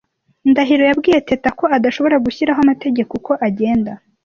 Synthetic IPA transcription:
ndaɦiɾo̞jabɡiːje̞tetako̞adaʃo̞βo̞ɾaɡuçiɾaɦoamate̞ɟe̞koko̞ʔaɟe̞ːnda

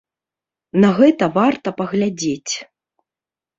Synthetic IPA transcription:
nɐɣɛt̪ɐvart̪ɐpɐɣlʲad͡zʲet͡sʲ

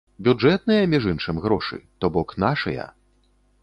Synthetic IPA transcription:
bʲud͡ʐɛt̪̚nɨjɐmʲiʐɨnʂɨmɣɾɔʂɨ̰t̪ɔbɔknaʂɐjɐ̰

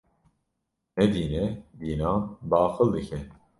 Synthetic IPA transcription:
nɛd̪iːnɛb̪iːnɑːbɑːxɨld̪ɨkʰɛ

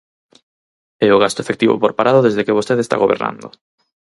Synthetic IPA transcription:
ɛʊɣast̪ʊefekt̪iβo̰poɾpaɾaðʊðezðekeβost̪eðest̪a̰ɣoβḛɾna̰nd̪ʊ̰

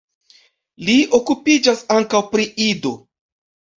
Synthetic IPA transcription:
lio̞kupid͡ʒasaŋkawpɾiʔido̞

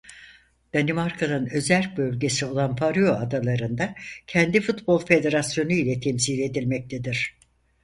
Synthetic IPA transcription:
d̪̥animaɾkʰanɯnø̞zælʲbø̞lʲɟe̞sio̞lˠanpaɾyjoad̪alˠaɾɯnd̪acʰɛnd̪ifut̪bo̞lˠfe̞d̪e̞ɾasjo̞nujlʲɛt̪ʰɛmsiːlʲe̞d̪ilʲmɛc̚t̪ʰed̪iɾ̥

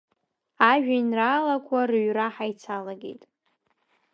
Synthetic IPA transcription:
aʒᶣainralakʷʼʰarɥraħajt͡sʰalaɡḛjtʼ

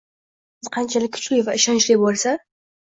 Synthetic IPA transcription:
sɨzqʰɑnt͡ʃʰalɪkʲʰːt͡ʃʰujvaɪʃɒnt͡ʃlijbolsa

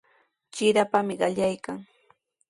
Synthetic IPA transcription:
t͡ʃɪɾapamɪɢɑʎajkaŋ

